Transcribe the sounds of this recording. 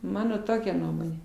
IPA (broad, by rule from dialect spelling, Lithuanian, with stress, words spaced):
ˈmɑːnoː ˈtoːkʲɛ ˈnuɔmoːnʲeː